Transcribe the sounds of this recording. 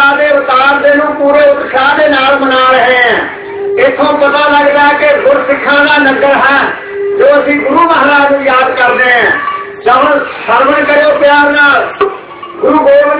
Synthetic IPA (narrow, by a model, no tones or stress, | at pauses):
aːd̪eːʋɪt̪aːɾd̪eːnũːpuːɾeːʊt̪sʰaːd̪eːnaːlmənaːɾəɦeːɦɛ̃ː | ɪt̪ʰːõːpət̪aːləɡd̪aːkeɡʊɾsɪkʰːãːd̪aːnəɡəɾɦɛ̃ː | d͡ʒoːəsĩːɡʊɾuːməɦːɾaːnũːjaːd̪kəɾd̪eːɦɛ̃ː | d͡ʒəɦə̃nsəɾbənkəɾjoːpjaːɾnaːl | ɡʊɾuːɡoːm